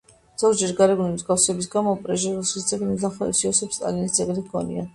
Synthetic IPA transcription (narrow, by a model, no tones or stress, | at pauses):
z̥ɔɾd͡ʒɛɾɡaɾɛɡunimzɡafsɛbis̬ɡamɔpʼɾɛʒɛɾusisd̪zʼɛɡnid̪aχɔɛ̰siɔsɛpst̪ʼa̰linisd̪zʼɛɡniɡʰɔnḭa̰n